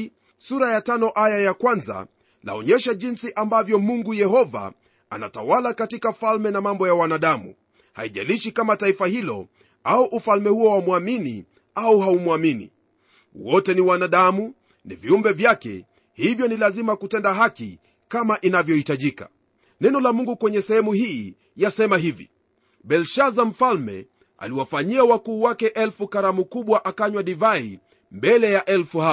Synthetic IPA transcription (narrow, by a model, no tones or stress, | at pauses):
suɾajatanɔʔajajakwanza̰ | la̰ɔɲɛʃaʄinsiʔambavjɔmuŋɡujɛhɔva̰ | ana̰tawalakatikafalmɛnamambɔjawanaɗamṵ | ha̰iʄa̰liʃikamataifahilɔ̰ | auʔufalmɛhuɔwamuamini | auɦaumuaminḭ | wɔtɛniwanaɗamu | niviumbɛvjakɛ̰ | hivjɔnilazimakutɛndaɦaki | kamaʔinavjɔhitaʄika̰ | nɛnɔlamuŋɡukwɛɲɛsɛhɛmuhiː | jasɛmahivḭ | ɓɛlʃazam̩falmɛ̰ | a̰liwafaɲiawakuːwakɛʔɛlfukaɾamukuɓwaʔakaɲwaɗivai | mbɛlɛjaʔɛlfuha